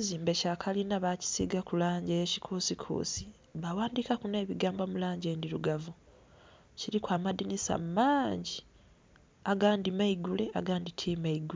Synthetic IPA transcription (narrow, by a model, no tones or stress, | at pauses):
ziːmbe̞cakʰalinaβaci̥sḭɡakulaːɲɟeeci̥kʰuːsikʰṵsi | βawaːndikakune̞ːβiɡaːmbamulaːɲɟe̞ːndiɾuɡavu | ciɾikwaːmadinisa̰mmaːɲɟi | aɡaːndimaiɡule̞ʔa̰ɡaːnditʰiːmaiɡue